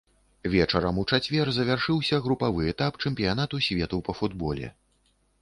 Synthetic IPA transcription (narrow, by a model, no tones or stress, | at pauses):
vʲɛt͡ʂɐɾɐmut͡ʂat͡sʲvʲɛrzɐvʲarʂɨwsʲɐɣɾupavɨɛt̪apt͡ʂɛmpʲijanat̪usʲvʲɛt̪upɐfud̪bɔlʲɛ̰